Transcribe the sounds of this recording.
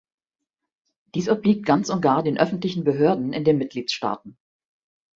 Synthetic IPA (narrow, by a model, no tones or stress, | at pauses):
d̥iːsɔbliːk̚t̚ɡ̥ant͡sʊnt̚ɡ̥aːɐdeːnʔœfn̩tlɪçn̩bəɦøːɐdn̩ʔɪ̰ndeːnmɪt̚ɡ̥liːtʃta̰ːtn̩